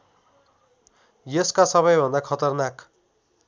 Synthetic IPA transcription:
jeskasʌβʌjbʱʌnd̪akʰʌt̪ʌrnak

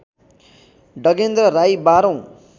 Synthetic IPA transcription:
ɖʌɡend̪rʌɾajbaɾʌ̃w̃

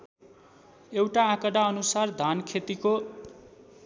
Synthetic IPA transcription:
ewʈaːkʌɽaʌnusard̪ʱankʰet̪iko

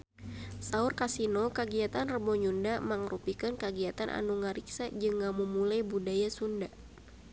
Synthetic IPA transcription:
saurkasinokaɡiat̪anrəbɔɲundamaŋrupikɨnkaɡiat̪anʔa̰nuŋaɾiksad͡ʒɨŋamumulajbudajasunda

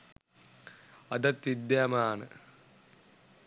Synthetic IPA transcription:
ɐd̪ɐt̪ːid̪jamaːnɨ̰

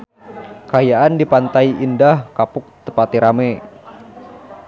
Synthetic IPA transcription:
kajaʔandipant̪aiindahkapʊk̚t̪əpat̪iɾame

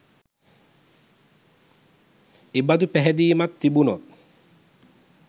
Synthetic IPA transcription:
ebad̪upæɦɛd̪iːmat̪ːibunot̪̚

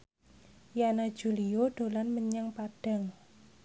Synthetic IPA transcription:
janad̥ʒ̥ṳlijoɖ̥o̤lanməɲaŋpaɖ̥a̤ŋ

